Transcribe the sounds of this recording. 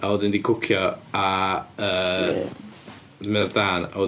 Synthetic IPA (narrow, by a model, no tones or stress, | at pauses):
aoːdɪndikʰʊkʰjɔaəː | mɪrðaːna̰oː